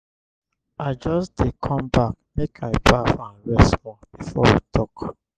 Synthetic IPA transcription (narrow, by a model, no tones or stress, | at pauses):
aɪd͡ʒɔsdekʰɔ̃mbak̚mekʰaɪbafnɹɛswɔb̥ifɔwitʰɔk